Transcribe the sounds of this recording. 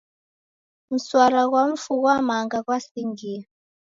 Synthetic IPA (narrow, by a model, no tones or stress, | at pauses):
m̩swaɾaɣ̬waɱ̩fuɣwamaŋɡakwasiŋɡi